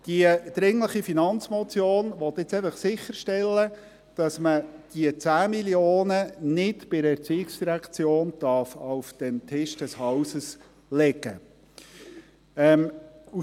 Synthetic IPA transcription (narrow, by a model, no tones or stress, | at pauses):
d̥iəd̥ɾɪŋləχifinɑnt͡smɔt͡sjoːnʋɔt̪ːɪt͡sæɪfɑχsɪχəɾʃtɛlːə | d̥ɑsməd̥iət͡sæːmiljoːnənɪtb̥ɪɾəɛɾt͡siːɪksd̥iɾækʰt͡sjoːnd̥ɑɾfawfd̥ɛntʰɪʃd̥ɛshɑwsəs | lɛɡə̰ | ɛmu